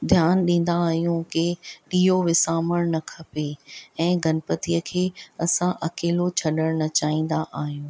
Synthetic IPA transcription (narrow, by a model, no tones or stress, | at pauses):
d̪ʱjaːnɗĩːn̆d̪aːɦijũkɪɗiːoʋɪsaːməɽ̃nɐkʰɐpeɛ̃ːɡʱɐnpət̪ijəkʰeːɐsãʔɐkeːlot͡ɕʰɐɗəɽ̃nɐt͡ɕaːĩːn̆d̪aʔaːɦijũː